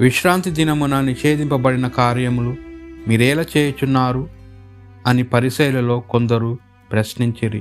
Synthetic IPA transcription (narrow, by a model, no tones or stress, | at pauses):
ʋiʃɾaːnt̪id̪inɐmunɐniʃe̞ːd̪impɐbɐɽinɐkaːɾjɐmulumiːɾɛːlaːt͡ʃe̞ːjɐt͡ʃunːaːɾu | ɐnipɐɾisɐjlɐlo̞ːko̞nd̪ɐɾu | pɾɐsniɲt͡ʃiɾḭ